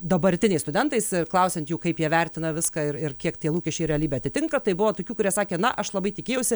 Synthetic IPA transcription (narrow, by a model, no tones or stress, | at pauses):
d̪ɐbɐɾʲt̪ʲɪnʲɛɪst̪ʊd̪ʲɛnt̪ɐɪsklˠɐʊsʲɛnt̪juːkɐɪpjiɛʋʲɛɾʲt̪ʲɪnɐʋʲɪskɑɪrɪrkʲiɛkt̪ʲiɛlˠuːkʲɛʃʲt͡ʃʲɛɪrɾʲɛlʲiːbʲeːɐt̪ʲɪt̪ʲɪŋkɐt̪ɐɪbʊʋoːt̪oːkʲuːkʊɾʲiɛsɑːkʲeːnɐʔɐʃlˠɐbɐɪt̪ʲɪkʲeːjɛʊsʲɪ